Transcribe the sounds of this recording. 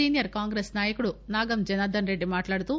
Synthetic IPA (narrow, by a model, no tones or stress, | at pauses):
iːnijɐɾkaːŋɡɾeːsnaːjɐkuɽunaːɡɐmd͡ʒɐnɐd̪ʱɐnɾeɖːimaːʈlaːɽt̪u